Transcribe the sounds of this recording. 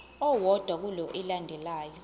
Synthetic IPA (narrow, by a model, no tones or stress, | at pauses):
ɔwɔd̥ʱwak̬ulɔʔɛlandʱɛlaːjɔ